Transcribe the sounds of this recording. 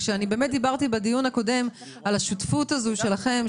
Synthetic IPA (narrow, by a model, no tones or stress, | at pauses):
ʃeanibeːmet̪̚d̪ibaʁtibedijunhako̞de̞m | alaʃutfutazuʃe̞laχe̞m